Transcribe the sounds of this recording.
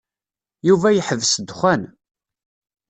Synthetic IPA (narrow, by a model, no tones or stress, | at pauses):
juvæjəħəvsd̪χʷæn